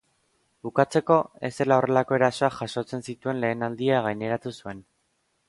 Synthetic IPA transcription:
bukat͡se̞ko̞e̞̰se̞lao̞re̞lako̞e̞ɾaso̞aʝaʃo̞t͡se̞nsit̪ue̞nle̞ːnald̪iaɣ̞ajne̞ɾat̪usue̞n

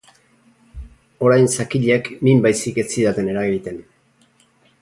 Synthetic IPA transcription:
o̞ɾajnsakiʎeknimbajsiket͡siðat̪e̞ne̞ɾaɣit̪e̞n

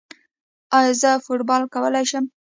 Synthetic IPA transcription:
ɑjzəfoʈbɑlkawəlajʃəm

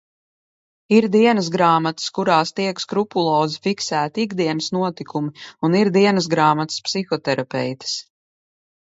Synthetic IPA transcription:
iɾd̪iɛnəzɡɾaːmat̪skuɾaːst̪iɛkskɾupulˠɔːzifiksæːt̪iɡd̪iɛnəsnuɔt̪ikumiuniɾd̪iɛnəs̬ɡɾaːmat̪spsixɔt̪ɛɾapɛ̰jt̪ə̥s

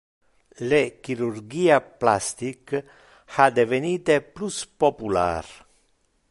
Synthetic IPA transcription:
lekiɾurɡiːaplast̪ik | ad̪eveniːt̪epluspopula̰ːɾ

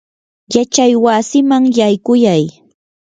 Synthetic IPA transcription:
jat͡ʃajwasɪmaŋjajkʊjaj

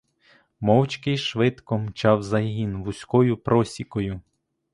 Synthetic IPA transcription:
mɔwt͡ʃkɪjʃʋɪt̪kɔmt͡ʃɑwzɐjɦinʋʊsʲkɔjʊpɾɔsʲikɔjʊ

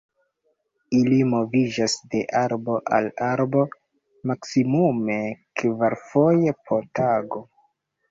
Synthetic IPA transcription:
ilimo̞vid͡ʒasde̞ʔaɾbo̞ʔa̰laɾbo̞ | maksimume̞kvaɾfo̞je̞pʰo̞ɾtaɡo̞

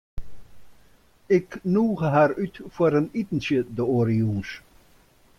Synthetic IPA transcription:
ɪknuːɣəɦaɾytfoɾənitn̩sjədəoɾiums

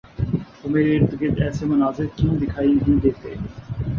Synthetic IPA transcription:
t̪ʊmeɾeɾt̪ʊket̪ɛːsemʊnaːzɪɾkĩːd̪ɪkʰaːiɦĩd̪eːt̪ḛː

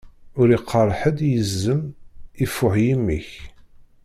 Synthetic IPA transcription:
ʊɾiqʰːərˤħəd̪jəzːəmifːʊʕjimːḭç

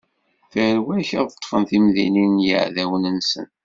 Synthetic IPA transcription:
fəɾwæçəðˤət̪ːˤfəmθimðḭninjə̰ʕðæwənənsə̰n

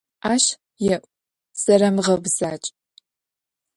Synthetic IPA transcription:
ʔaːʃ | jɛʔʷʼ | z̥ɐɾɐmʁɐbz̥aːt͡ʃʼ

